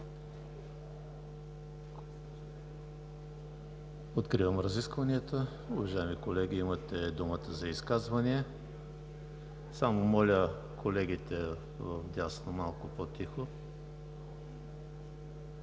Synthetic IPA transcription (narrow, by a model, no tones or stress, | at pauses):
ot̪kɾivəmɾɐziskvɐniət̪ə | ʊvɐʒaɛmikolɛɡʲiimət̪ɛd̪umət̪əzɐiskazvɐniɛ | samomɔlʲə | kʰolɛɡit̪ɛ | vəfd̪ʲasnomalˠkʊpot̪ixo